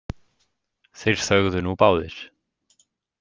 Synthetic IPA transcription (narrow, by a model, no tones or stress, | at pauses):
θɪɾ̥θœɣðʏnuːpawðɪɾ̥